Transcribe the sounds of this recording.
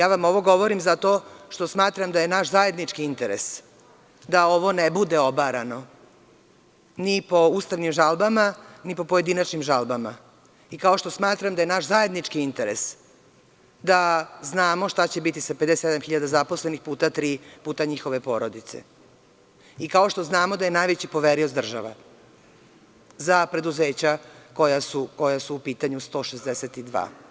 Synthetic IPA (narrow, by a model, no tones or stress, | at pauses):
jaːʋamo̞ʋo̞ɡo̞ʋoɾimzat̪o̞ʃt̪o̞smaːt̪ɾamd̪aje̞naʃzajed̪nit͡ʂkiint̪eɾḛs | d̪ao̞ʋo̞nebud̪e̞obaɾano̞ | nipo̞uːst̪aʋnimʒalbamanipo̞poje̞d̪inat͡ʃnimʒalbama̰ | ikao̞ʃt̪osmaːt̪ɾamd̪ajenaʃzaje̞d̪nit͡ʃkiint̪eɾḛs | d̪aznaːmo̞ʃt̪at͡ɕe̞bit̪isaped̪eseed̪amxiʎad̪azaposle̞nixpuːt̪at̪ɾiːpuːt̪aɲixo̞ʋe̞po̞ɾod̪it̪sḛ | ikao̞ʃt̪oznaːmo̞d̪aje̞najʋet͡ɕipo̞ʋeɾiosd̪r̩ʒa̰ʋa̰ | zapɾe̞d̪uze̞ːt͡ɕako̞jasuko̞jasuːpiːt̪aɲust̪o̞ːʃezd̪eset̪id̪ʋa̰ː